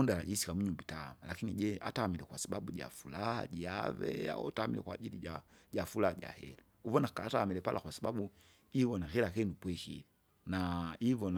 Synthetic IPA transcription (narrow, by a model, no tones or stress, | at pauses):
ɔndalaʄisi̥kamuɲumbitaːmalakiniɟɛʔa̰taːmilɛkwasaɓaɓuʄa̰fulaha̰ʄia̰vɛ̰a̰taːmḭlɛ̰kwaʄiliaʄafulaaʄa̰hɛ̰lɛ | uvɔnakataːmilɛpa̰lʔakwasaɓaɓu | ivɔnahɛlakɛnupwɛʃi | naivɔn